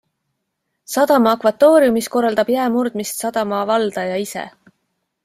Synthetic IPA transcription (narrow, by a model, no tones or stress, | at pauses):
sɑd̪ɑmɑːkvɑt̪ːo̞ːɾijumisko̞rːɑld̪̥ɑb̥jæemurd̪̥mist̪sɑd̪̥ɑmɑvɑld̪̥ɑjɑisḛ